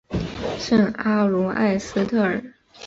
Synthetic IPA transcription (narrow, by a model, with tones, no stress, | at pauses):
ʂə˥˩ŋa˥lu˧˥a̰˥˩ɪsɹ̩˥t̪ʰɤ˥˩ə˨˩